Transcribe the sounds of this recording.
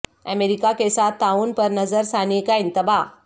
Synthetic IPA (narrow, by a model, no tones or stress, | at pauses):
ə̰meɾikakesat̪auːnpəɾnəd͡zəɾsanikaint̪əba